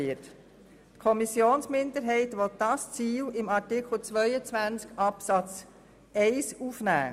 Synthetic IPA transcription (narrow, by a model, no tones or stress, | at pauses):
ət | tkʰɔmisjoːnsmɪndəɾɦɛɪtʋɔt̚d̥ɑst͡siːlɪmɑɹtɪkχl̩t͡sʋœʏət͡sʋænt͡skɑpsɑt͡s | ɛɪsufnæ̰ː